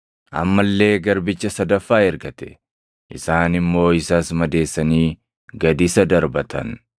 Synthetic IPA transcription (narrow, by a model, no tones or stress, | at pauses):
ʔɐ̰mːɐlːe̞ːɡɐɾbɪt͡ʃːɐsɐd̪ɐfːaːɛɾɡɐt̪ɛ̥ | ʔɪsaːnɪmːo̞ːɪsaːsmɐd̪e̞ːsːɐniː | ɡɐd̪ɪsɐd̪ɐɾbɐt̪ɐ̰n